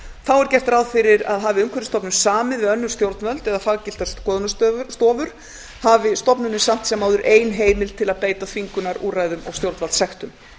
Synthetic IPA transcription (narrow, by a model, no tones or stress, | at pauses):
θawɛɾ̥cɛft̪ɾawðfɪɾɪɾa̰ðɦavɪʏmkʰɛɾɪst̪ɔpnʏmsaːmɪðvɪœnːʏɾst̪jowɾt̪nvœlt̪ɛðafaɣcɪl̥t̪ḁsɔðʏnast̪st̪ɔːvʏɾ̥ | havɪst̪ɔpnʏnɪsam̥t̪sɛmawðʏɾʔeːjnɦeːjmɪlt̪ʰɪlaðpeːjt̪afiŋkʏnaɾuːrajðʏmɔ̰ɣst̪jowɾt̪valt̪sɛxt̪ʏm